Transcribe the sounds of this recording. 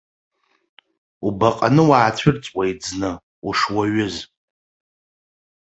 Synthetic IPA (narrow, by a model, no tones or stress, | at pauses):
ubaqʼanɨwaːt͡ɕʷʰɪrt͡sʼwajd͡znɨ | uʂwaɥʊz